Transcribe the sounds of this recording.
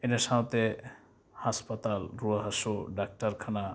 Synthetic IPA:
enesat̪e | haspat̪alɾuaɦaʃuɖak̚ʈaɾkʰana

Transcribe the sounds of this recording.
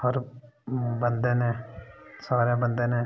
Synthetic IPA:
həɾ | bənd̪eːneːsaːɾẽːbənd̪eːneː

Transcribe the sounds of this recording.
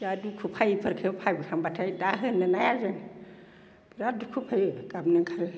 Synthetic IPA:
jadukʰupʰajpʰəɾkʰɯpʰajbikʰambatʰajdaɦɯnɯnajazan | biɾadukʰupʰajkabnɯŋkʰal

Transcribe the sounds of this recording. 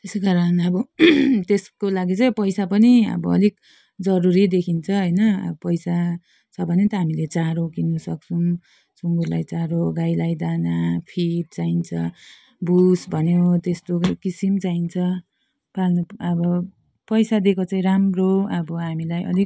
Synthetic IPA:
t̪esekaɾʌnʌbʌt̪eskolaɡit͡saĩpʌjsapʌniʌ̰bʌʌ̰lik̚ | d͡zʌɾuɾid̪ekʰint͡sʰʌɦʌjnʌʌ̰bʌpʌjsa | t͡sʰʌbʱʌnet̪ʌɦamilet͡saɾokinusʌk̚t͡sʰum | suŋɡurla̰jt͡saɾoɡajlajd̪anapʰiʈ̚t͡saint͡sʰʌ | busbʱʌnjot̪est̪okisimt͡saint͡sʰʌ | palnuʌbʌ | pʌjsad̪ekʰot͡saĩɾamroʌbʌɦamilajʌ̰lik̚

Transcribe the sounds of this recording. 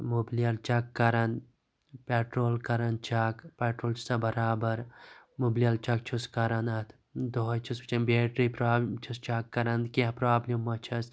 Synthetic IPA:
mubliɐlt͡ʃɐkːɐɾɐn | peːʈɾoːlkɐɾɐnt͡ʃaːkpeːʈɾoːlt͡ʃʰu̥sɐbɐɾaːbɐɾmublijɐlt͡ʃɐk̚t͡ʃʰuskɐɾɐnɐt̪ʰ | d̪oɦɐt͡ʃʰust͡ʃɐnbeːʈɾipɾaːt͡ʃʰust͡ʃaːkːɐɾɐnd̪keɦpɾaːblʲimːɐt͡ʃʰɐs

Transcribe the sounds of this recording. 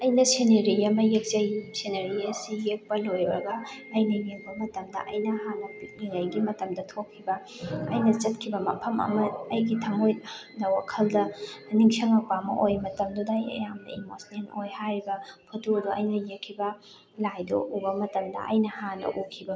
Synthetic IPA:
ɐjnɐseneɾiɐmɐjek̚zɐjseneɾiɐsijek̚pɐlojɔɾɐ̰ɡɐːjnɐjeŋbɐmɐtɐmdɐ̰ʔɐjnɐhanɐpik̚niŋajɡimɐtɐmdɐtʰokʰːibɐ | ɐ̰jnɐt͡ʃɐt̚kʰibɐmɐ̰pʰɐmɐ̰mɐɐjɡitʰɐŋojnɐwakʰɐldɐniŋsɐŋɐpamɐ̰ʔojmɐtɐmdudɐjɐ̰jamnɐ̰imosnenojhaɾibɐpʰotuduɐjnɐjekʰːibɐ | lajdo̰ubɐmɐtɐmdɐ̰ʔɐ̰jnɐhanɐ̰ʔukʰːibɐ

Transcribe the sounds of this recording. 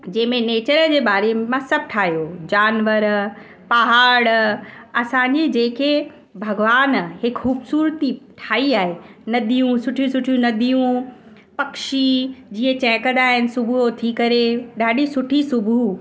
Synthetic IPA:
d͡ʑɐ̃ːɪ̃mẽneːt͡ɕəɾd͡ʑeːbaːɾemãsɐb̚ʱʈʰaːɦijod͡ʑaːnʋəɾ | paɦaːɽɐsãːɲd͡ʑid͡ʑeːkʰe | bʱɐɡʋaːnhɪkxuːbsuːɾt̪iʈʰaːiaːɦenɐd̪ʱijũsʊʈʰijũsʊʈʰijũnɐd̪ʱijũ | pɐkʃid͡ʑiːə̃t͡ɕɛ̃ːkəd̪aːɦɪnɪ̆sʊbʱuot̪ʰikɐɾeɗaːɗisʊʈʰisʊbʱu

